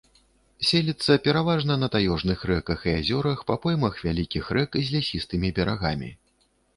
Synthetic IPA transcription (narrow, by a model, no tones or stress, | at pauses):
sʲelʲit̪sːɐpʲɛɾavaʐnɐnɐt̪ajɔʐnɨxrɛkɐxiazʲɔɾɐxpɐpɔjmɐxvʲalʲikʲixrɛkizʲlʲasʲist̪ɨmʲibʲɛɾaɣamʲḭ